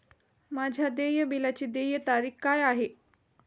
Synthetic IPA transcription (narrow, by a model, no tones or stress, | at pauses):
mad͡ʑʱjad̪ejəbilat͡ɕiːd̪ejət̪aɾiːkkːajaɦe